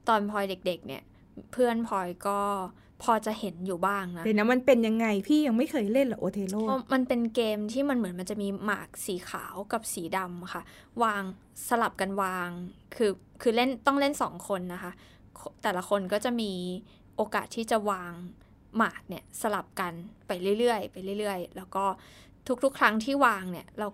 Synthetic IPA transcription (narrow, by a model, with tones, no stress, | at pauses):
t̪ɔː˧npʰɔː˧jde˨˩k̚de˨˩k̚nḭ˥˩ɐ | pʰɯ˥˩ənpʰɔː˧jkɔː˥˩ | pʰɔː˧t͡ɕa˨˩he˩˦njuː˨˩baː˥˩ŋna˦dɛː˨˩nɛ˦˥ma˧npe˧nja˧ŋːa˧jpʰiː˥˩ja˧ŋma˥˩jxʰɤː˧jle˥˩nlɛ˨˩ʔoː˧t̪ʰeː˧loː˥˩ɔ˦˥ma˧npe˧nkeː˧mt̪ʰiː˥˩ma˧nmɯ˩˦nma˧nt͡ɕa˨ʔmiː˧ma̰ː˨˩k̚siː˩˦xʰa̰ː˩˦wka˨˩p̚siː˩˦da˧m˩kʰa˥˩ | waː˧ŋ | sa˧la˨˩p̚ka˧nwaː˧ŋkʰɯː˧ | kʰɯː˧le˥˩nt̪ɔ˥˩ŋle˥˩nsɔ̰ː˩˦ŋkʰo˧nːa˦˥xʰa˦˥ | kʰot̪ɛː˨˩la˧˦kʰo˧nkɔː˥˩t͡ɕa˨˩ʔmiː˧ | ʔoː˧kaː˨˩t̪ʰːiː˥˩t͡ɕa˨˩waː˧ŋ | maː˨˩k̚ni˥˩ɐsa˧la˨˩p̚ka˧npa˧jɾɯ˥˩jɾɯ˥˩əjpa˧jlɾɯ˥˩jɾɯ˥˩əjlɛː˦˥wkɔː˥˩ | t̪ʰu˦˥k̚t̪ʰu˦˥kʰɾa˦˥ŋt̪ʰiː˥˩waː˧ŋni˥˩ɐɾa˧w